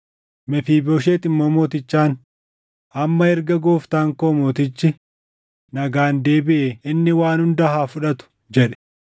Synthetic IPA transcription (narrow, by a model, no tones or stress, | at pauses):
mɛfiːboːʃ̬eːt̪ɪmːoːmo̞ːt̪ɪt͡ʃːaːn | ʔɐmːɐɛɾɡɐɡoːft̪aːŋkoːmo̞ːt̪ɪt͡ʃːɪ | nɐɡaːnd̪e̞ːbɪʔeɪnːɪwaːnhʊnd̪ɐɦaːfʊᶑɐt̪ʊ̥ | d͡ʒɛᶑɛ̥